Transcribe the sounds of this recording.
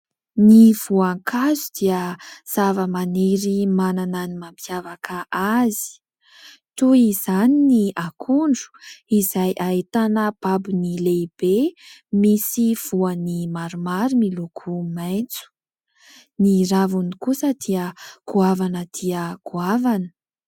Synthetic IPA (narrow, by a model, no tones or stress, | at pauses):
niv̥uaŋkʰazud̪̥iəz̥avəmaneɾimanananimampʰjavakəʔazi̥ | t̪uiz̥aniniakʰuɳɖ͡ʐu̥izajʔait̪anəb̥abunileb̥emisiv̥uənimaɾumaɾimilukʰumajt͡su̥ | niɾavunikusəd̪iəkuavanəd̪̥iəkuavanə̥